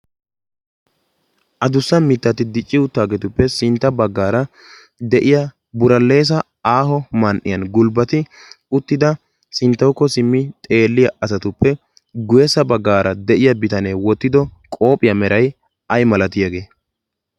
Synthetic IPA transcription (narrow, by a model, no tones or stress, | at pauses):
ʔɐd̪ʊsːɐmɪt̪ːɐt̪ɪd̪ɪt͡ʃʼːɪʊt̪ːaːɡɛt̪ʊpːɛsɪnt̪ːɐbɐɡːaːɾɐ | d̪ɛʔɪjɐ | bʊɾɐlːe̞ːs̬ɐ | aːɦɔmɐnʔɪ̰jɐnɡʊlbɐt̪ɪ | ʊt̪ːɪd̪ɐ | sɪnt̪ːɐwkːɔsɪmːɪt̪ʼe̞ːlːɪjɐɐsɐt̪ʊpːɛ | ɡʊjɛsɐbɐɡːaːɾʔɐd̪ɛʔɪjɐbɪt̪ɐneːwɔt̪ːɪd̪ɔkʼo̞ːpʼɪjɐmɛɾɐj | ɐjmɐlɐt̪ɪjɐɡe̞ː